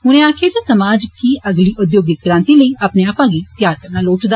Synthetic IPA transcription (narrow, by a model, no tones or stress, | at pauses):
ɦʊñẽaːkʰed̪esəmaːd͡ʒkiːʔəɡliːʔʊd̪joːɡɪɡɾãːnt̪iːləiːʔaːpneaːpãːɡiːt̪jaːɾkəɾnaːloːʈd̪a